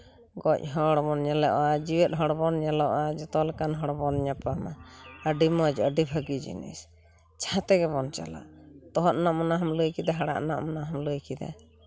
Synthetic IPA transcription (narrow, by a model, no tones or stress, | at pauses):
ɡɔc̚ˀɦɔɽɔbɔnɲalɛʔɔad͡ʒiwɛt̪̚ɦɔɽbɔnɲalɔʔad͡ʒɔt̪ɔlɛkanɦɔɽbɔnɲapamaəɖimɔd͡ʒɔəɖibʱəɡid͡ʒḭnḭs | t͡ʃʰat̪ɛɡɛbɔnt͡ʃa̰la̰ʔt̪ɔɦɔt̪̚naʔmɔnaɦamləjkid̪aɦaɽa̰ʔnaʔmɔnaɦamləjkid̪a̰